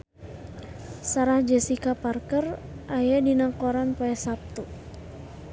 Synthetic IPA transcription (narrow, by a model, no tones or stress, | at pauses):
saɾahd͡ʒɛsikaparkər | ʔajadinakɔɾanpɔɛsap̚t̪u